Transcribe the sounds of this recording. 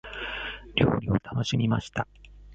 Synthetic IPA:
ɾʲoːɾʲio̞t̪ʰano̞ɕimʲimaɕi̥t̪a

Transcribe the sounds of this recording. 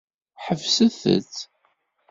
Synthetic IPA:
ħəvsəθə̰t͡sː

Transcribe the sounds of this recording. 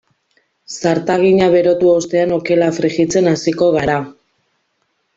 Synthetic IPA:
saɾt̪aɣ̞iɲaβe̞ɾo̞t̪uost̪e̞ano̞ke̞lafɾiɣit͡se̞nasiko̞ɣ̞aɾa

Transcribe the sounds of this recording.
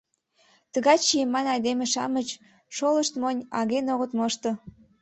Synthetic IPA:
t̪əɣɑt͡ɕijəmːɑnɑjd̪emeʃɑ̰mət͡ɕ | ʃoləʃt̪monʲɑɣenoɣət̪moʃt̪ŏ

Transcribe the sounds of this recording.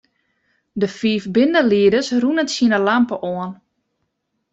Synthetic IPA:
dəfiːfbɪndəliədəsrunəntsinəlampəʔɔən

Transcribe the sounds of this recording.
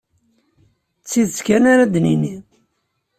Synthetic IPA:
t͡sːiðskænaɾad̪nini

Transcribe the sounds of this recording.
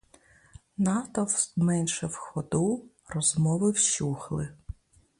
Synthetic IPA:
nɑt̪ɔwmɛnʃɛwxɔd̪u | rɔzmɔʋɪwʃuxlˠɪ

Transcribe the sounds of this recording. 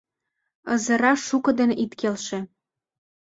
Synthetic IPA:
ɤ̰zə̆ɾɑʃukɤ̆d̪enʔit̪kelʃĕ

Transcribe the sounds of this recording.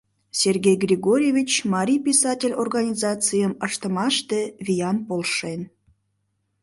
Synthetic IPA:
sʲerɡʲejɡrʲiɣoɾʲjevʲit͡ɕmɑɾʲijpʲisɑtʲelʲorɣɑnʲizɑt͡sɨjəməʃt̪əmɑʃt̪evʲijɑnpolˠʃen

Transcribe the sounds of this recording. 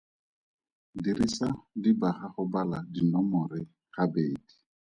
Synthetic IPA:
diɾisadibaχaχʊbaladinɔmʊrɪ | χabeːdi̥

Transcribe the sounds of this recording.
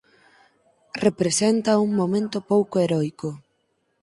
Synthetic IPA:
repɾesent̪ɐuŋmomẽnt̪opowkoeɾɔjko

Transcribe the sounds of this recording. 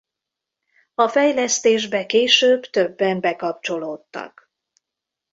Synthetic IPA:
ɒfɛjlɛst̪eːʒbɛkeːʃøːbt̪ø̞bːɛmbɛkɒp̚t͡ʃo̞loːt̪ːɒ̰k

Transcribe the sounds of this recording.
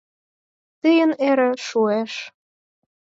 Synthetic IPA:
t̪əjə̆neɾĕʃueʃ

